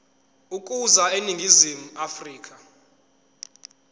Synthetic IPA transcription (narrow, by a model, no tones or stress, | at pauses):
uk̬ʼuzaeniŋɡʱizimuafriːk̬ʼa